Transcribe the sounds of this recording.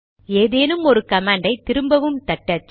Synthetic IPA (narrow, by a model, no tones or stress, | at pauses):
eːðeːnɯmɔɾɯkɐmaːɳɖɐɪt̪ɪɾɯmbɐʋɯmt̪ɐʈːɐt͡ʃː